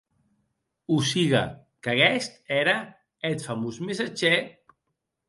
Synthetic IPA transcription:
usiɣa̰ | kaɣɛst̪ɛɾa | et̪famuzmesat͡ʃe

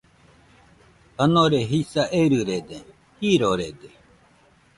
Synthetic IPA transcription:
t̪anoɾeɦisaʔeɾɯɾed̪e | hiːɾoɾed̪e

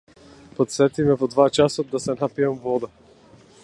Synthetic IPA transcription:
pɔt̪sɛt̪imɛvɔd̪vat͡ʃasɔasɛnapiamvɔd̪a

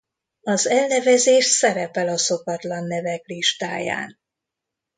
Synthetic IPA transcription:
ɒzɛlnɛvɛzeːʃsɛɾɛpɛlɒso̞kɒt̪lɒnːɛvɛkliʃt̪aːja̰ːn

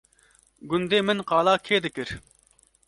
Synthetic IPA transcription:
ɡʲund̪ɪmɪnqʰɑːlˠɑkʲʰed̪ɪkʲɪɾ

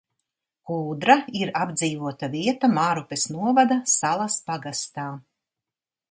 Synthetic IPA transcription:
kuːd̪ɾaiɾabd̪ziːvuɔt̪aviɛt̪amaɾupesnuɔvad̪asalˠaspaɡast̪aː

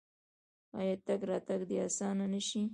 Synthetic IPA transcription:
ɑ̰jɑt̪aɡɾɑt̪aɡd̪eɑsɑnanəʃi

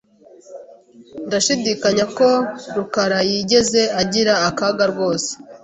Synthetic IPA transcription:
ndaʃidikaɲako̞ɾukaɾajiːɟe̞ze̞aɟiɾaːkaɡaɾɡo̞ːse̥

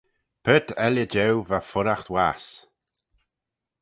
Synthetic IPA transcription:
pʰət̪ʰɛljəd͡ʒɛwvafʊɾaxt̪waːs

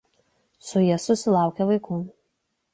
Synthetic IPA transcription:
sʊjiɛsʊsʲɪlˠɑˑʊkʲɛʋɐɪku

